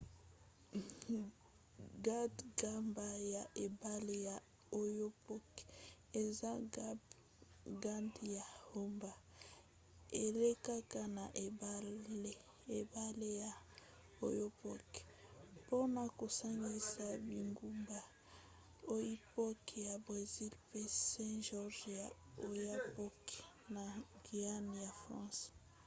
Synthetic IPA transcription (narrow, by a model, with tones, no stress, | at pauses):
ɡa˦tɡa˦mba˦ja˨ʔe˨ba˦le˦ja˨ | o˦jo˦pɔ˦k | e˨za˦ | ɡa˦ndja˨ho˦mba˨ | e˨le˦ka˦ka˦na˨ʔe˨ba˦e˦ | e˨ba˦le˦ja˨ | o˨jo˦pɔ˦kpo˦na˨ko˨sa˦ŋɡi˦sa˦bi˨ŋɡu˦mba˨ | o˦ji˦pɔ˦kja˨bʁe˨zi˦lpe˦sɛ̃˦ʒɔ˦ʒa˨ | o˨ja˦pɔ˦k | na˨ɡi˨a˦n˨ja˨fʁã̰˦s